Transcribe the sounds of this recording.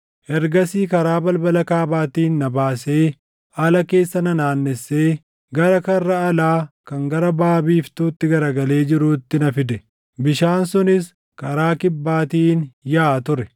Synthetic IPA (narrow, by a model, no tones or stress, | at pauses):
ʔɛɾɡɐsiːkɐɾaːbɐlbɐlɐkaːbaːt̪iːnːɐbaːse̞ː | ʔɐlɐke̞ːsːɐnɐnaːnːɛsːeː | ɡɐɾɐkɐrːɐːlaːkɐŋɡɐɾɐbaːbiːft̪uːt̪ːɪɡɐɾɐɡɐle̞ːd͡ʒɪɾuːt̪ːɪnɐfɪd̪ɛ | bɪʃaːnsʊnɪs | kɐɾaːkɪbːaːt̪iːnjaːt̪ʊɾɛ